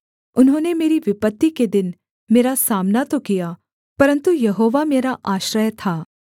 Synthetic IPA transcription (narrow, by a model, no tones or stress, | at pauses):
ʊnɦõːnemeːɾiʋɪpət̪ːiked̪ɪn | meːɾasaːmnat̪okijaː | pɐɾə̃nt̪ujɐɦoːʋameːɾaʔaːʃɾəjt̪ʰaː